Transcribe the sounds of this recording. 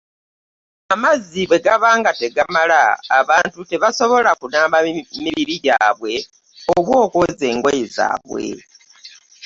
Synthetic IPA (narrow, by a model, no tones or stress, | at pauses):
amaziβe̞ɡaβaːŋɡate̞ɡamala̰ːβaːntute̞βaso̞βo̞lakunaːmbamiβiɾiɟaːβwe̞ | oβwo̞ːko̞ze̞ːŋɡwejeza̰ːβwe̞̰